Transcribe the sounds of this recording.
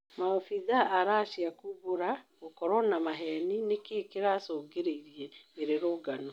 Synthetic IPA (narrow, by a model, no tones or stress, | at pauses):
mafiðaʔaɾaːʃjakuβoɾa | okɔɾwɔnamaɦɛninekeːkeɾasoːɡeɾeiɾieːɾeɾoːɡano